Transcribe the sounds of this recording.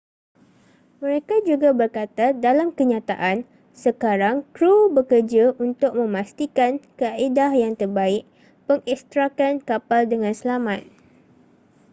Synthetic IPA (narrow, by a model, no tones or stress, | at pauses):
mə̃ɾekad͡ʒuɡabərkat̪adalamkəɲãt̪a̰ʔan | səkaɾaŋkɾubəkərd͡ʒaʔunt̪ʊk̚mə̃mast̪ikankəaaʔidahjaŋt̪ərbaɪʔ̚ | pəŋɛkst̪ɾakankapaldəŋãnsəlamat̪̚